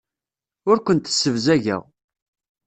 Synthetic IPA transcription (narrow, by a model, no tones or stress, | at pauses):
ʊɾkʷənt̪ə̥sːəvzæʝæ̰ʁ